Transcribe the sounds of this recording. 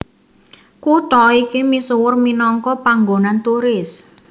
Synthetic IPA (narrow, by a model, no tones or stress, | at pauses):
kuʈɔikimisuwʊrminɔŋkɔpaŋɡonant̪uɾɪs